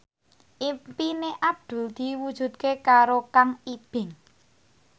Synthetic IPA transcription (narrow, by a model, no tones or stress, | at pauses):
ʔimpineʔab̚d̪̥ṳld̪̥i̤wud̥ʒ̥ṳd̪̚kekaɾokaŋib̥ɪŋ